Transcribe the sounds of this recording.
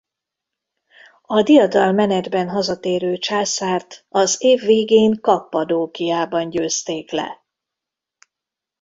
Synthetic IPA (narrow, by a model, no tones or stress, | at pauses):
ɒd̪ijɒd̪ɒlmɛnɛd̪bɛnɦɒzɒt̪eːɾøːt͡ʃaːsaːrt̪ɒzeːvːeːɡeːŋkɒpːɒd̪oːkijaːbɒnɟøːst̪eːklɛ̰